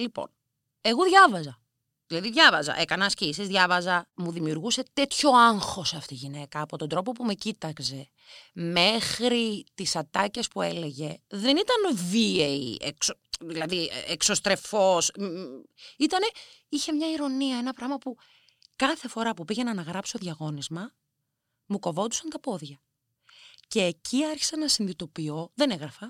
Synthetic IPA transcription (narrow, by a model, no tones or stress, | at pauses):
lipo̞̰n | e̞ɣoðʝɐvɐzɐ | ðilɐðiðʝɐvɐzɐ̰ʔe̞kɐnɐscisizðʝɐvɐzɐmuðimiuɾɣuse̞t̪e̞t̪ço̞ɐŋxo̞sɐft̪iʝine̞kɐːpo̞t̪o̞nd̪ɾo̞po̞pume̞cit̪ɐkse̞ | me̞xɾit̪isɐt̪ɐce̞spue̞le̞ʝe̞ðe̞nit̪ɐnvieiḛkso | ðilɐðiekso̞st̪ɾe̞fo̞s | it̪ɐne̞içe̞mɲɐiɾo̞niɐe̞nɐpɾɐɣmɐpu | kɐθe̞fo̞ɾɐpupiʝenɐːnɐɣɾɐpsoðʝɐɣo̞nizmɐ | muko̞vo̞d̪u̥sɐnt̪ɐpo̞ðʝɐ | ce̞ːcʰiɐɾçi̥sɐnɐsinðit̪o̞pio̞ðe̞neɣɾɐfɐ